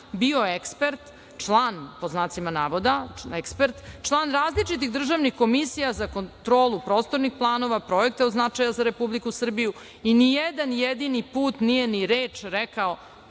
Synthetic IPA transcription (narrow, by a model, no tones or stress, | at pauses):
bio̞ekspeɾt̪ | t͡ʂlˠaːnpoznaːt̪simanaːʋo̞d̪aekspeɾt̪t͡ʂlˠaːnɾaːzlit͡ʃit̪̬iɣd̪r̩ʒaʋnixko̞misijazakont̪ɾo̞ːlˠupɾo̞ːst̪o̞ɾnixplˠaːno̞ʋapɾo̞ek̚t̪eod̪znat͡ʂajazaɾe̞publikusr̩biju | inijed̪anjed̪inipuːt̪nijeniɾeːt͡ʂɾekao